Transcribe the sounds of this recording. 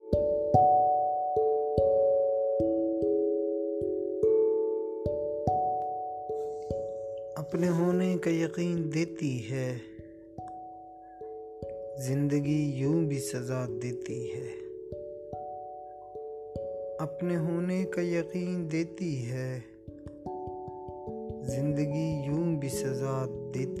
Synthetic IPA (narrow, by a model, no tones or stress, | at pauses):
ɐpneɦoːnekajɐqiːnd̪eːt̪iɦɛː | zɪ̃nd̪əɡijũːbʱisɐzaːd̪eːt̪iɦɛː | ɐpneɦoːnekajɐqiːnd̪eːt̪iɦɛː | zɪ̃nd̪əɡijũːbʱisɐzaːd̪eːt̪ː